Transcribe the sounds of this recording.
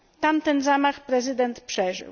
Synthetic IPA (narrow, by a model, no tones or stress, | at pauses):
t̪amt̪ɛnzamaxpɾɛzɘd̪ɛnt̪pʂɛʐɘ̰w